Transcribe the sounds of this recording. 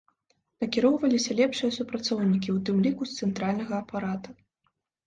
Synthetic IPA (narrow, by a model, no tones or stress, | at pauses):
nɐkʲiɾɔwvɐlʲisʲɐlʲɛpʂɨjɐsupɾat̪sɔwnʲikʲiwt̪ɨmlʲikust̪sɛnt̪ɾalʲnɐɣɐːpaɾat̪u